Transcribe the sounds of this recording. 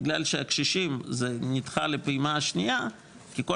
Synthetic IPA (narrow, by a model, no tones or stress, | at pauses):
ɡlalʃeakʃiʃimzenit̪χalepimaaʃnija | kiko